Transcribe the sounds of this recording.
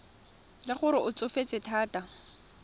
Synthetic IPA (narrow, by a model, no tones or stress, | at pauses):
lɪχʊɾɪʔʊt͡sʼʊfet͡sʼɪtʰaːtʼa